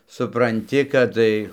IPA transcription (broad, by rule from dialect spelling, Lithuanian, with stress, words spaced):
sʊprɐnʲˈtʲɪ kɐt ˈtɐɪ